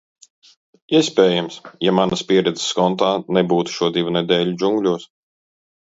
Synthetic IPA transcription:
iɛspʲeːjamsjamanɐspʲiɛɾɛd̪zɪ̥skɔnt̪aːnɛbuːt̪u̥ʃuɔd̪ivunɛd̪ɛːlʲud͡ʒuŋɡlʲuɔs

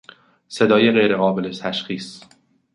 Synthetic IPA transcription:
se̞d̪ɒːjeɣejɾeɣɒːbe̞let̪ʰæʃxiːs

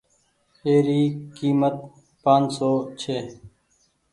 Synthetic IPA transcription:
eːɾiːkiːmət̪̚ | pãːnsoːt͡ʃʰeː

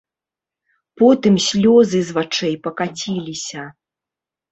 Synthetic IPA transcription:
pɔt̪ɨmsʲlʲɔzɨzvat͡ʂɛjpɐkat͡sʲilʲisʲɐ

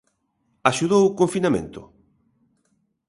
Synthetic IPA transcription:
aʃuðowkoɱfinamḛ̃nt̪ʊ̰

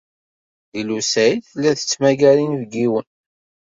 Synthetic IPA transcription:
ðilusæjθəlːæθə̥t͡sːmæɡæɾinvɡiwən

